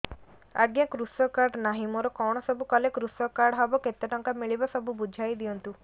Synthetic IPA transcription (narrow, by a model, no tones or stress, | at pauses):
a̰ɡjakɾusɔkaɾɖnaɦĩmoɾɔkɔw̃ɔsɔbʱukɔlekɾusɔkaɾɖɦɔbɔket̪ːɔʈɔŋkamiɭibasɔbubud͡ʒʱajd̪iɔnt̪u